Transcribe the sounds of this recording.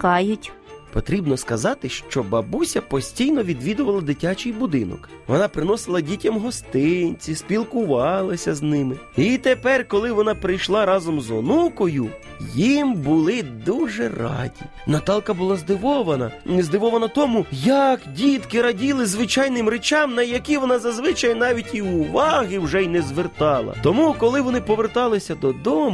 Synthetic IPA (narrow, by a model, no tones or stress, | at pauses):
kɑjʊtʲ | pɔt̪ɾʲibnɔskɐzɑt̪ɪʃt͡ʃɔbɐbusʲɐpɔsʲtʲijnɔʋʲid̪ʋʲid̪ʊʋɐlˠɐd̪ɪtʲat͡ʃɪjbʊd̪ɪnɔ̰k | ʋɔnɑpɾɪnɔsɪlˠɐdʲitʲɐmɦɔst̪ɪnʲt͡sʲispʲilˠkʊʋɑlˠɐsʲɐznɪmɪ | it̪epɛrkɔlˠɪʋɔnɑpɾɪjʃlˠɑɾɑzɔmzɔnukɔjʊ | jimbʊlˠɪd̪uʒɛrɑ̰dʲḭ | nɐt̪ɑlˠkɐbʊlˠɑzd̪ɪʋɔʋɐnɐ̰nzd̪ɪʋɔʋɐnɐt̪ɔmujɐkdʲit̪kɪɾɐdʲilˠɪzʋɪt͡ʃɑjnɪmɾet͡ʃɑmnɐjɐkʲiʋɔnɑzɐzʋɪt͡ʃɐjnɑʋʲitʲiʊʋɑɦɪwʒɛjnɛzʋert̪ɑlˠɐ̰t̪ɔmukɔlˠɪʋɔnɪpɔʋert̪ɑlˠɪsʲɐd̪ɔd̪ɔm